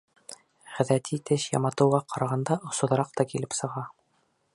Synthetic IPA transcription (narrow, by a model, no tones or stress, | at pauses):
ʁæ̆ðæt̪ʰit̪ɘɕjɑ̰mɑt̪ɤ̆wʁɑqʰɑɾɑʁɑnd̪ɑʔŏsŏðɤ̆ɾɑqt̪ɑkilɘpsɤ̆ʁɑ